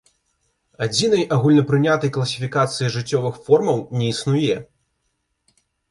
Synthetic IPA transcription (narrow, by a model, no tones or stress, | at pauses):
ad͡zʲin̪ɐjaɣulʲnɐpɾɨnʲat̪ɐjklˠɐsʲi̥fʲikat̪sɨjiʐɨt͡sʲːɔvɨxfɔrmɐwnʲɛisnujɛ